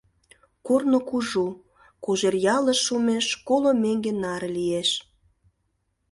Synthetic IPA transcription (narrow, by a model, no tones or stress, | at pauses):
kornokuʒu | koʒerjɑləʃːumeʃkolomeŋɡenɑɾlieʃ